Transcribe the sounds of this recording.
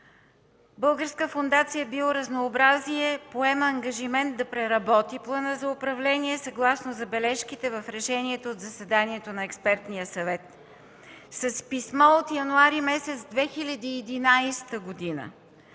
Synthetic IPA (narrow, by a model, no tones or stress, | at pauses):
bɤlˠɡəɾskəfond̪at̪sijəbilˠoɾɐznoːbɾaziɛpoɛməːŋɡɐʒimɛnt̪̚d̪ɐpɾɛɾɐbɔt̪iplˠənəzɐʊpɾɐvlɛniɛsɐɡlˠasnozɐbɛlɛʃkit̪ɛvɐfɾɛʃɛniɛt̪oːt̪zɐsɛd̪aniɛt̪onɐɛkspɛɾt̪nijəsɐvɛt̪ | sɐspismɔot̪jɐnuaɾimɛsɛt̪sd̪vɛxilʲɐd̪iɛd̪inajst̪əɡod̪inə̰